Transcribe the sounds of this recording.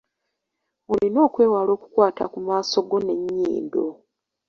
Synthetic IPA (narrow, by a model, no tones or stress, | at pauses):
olino̞ːkwe̞ːwalo̞ːku̥kwaːta̰kumaːso̞ɡo̞ne̞ɲːḭːndo